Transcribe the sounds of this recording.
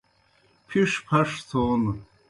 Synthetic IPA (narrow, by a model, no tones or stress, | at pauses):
pʰiʂpʰɐʂt̪ʰoːn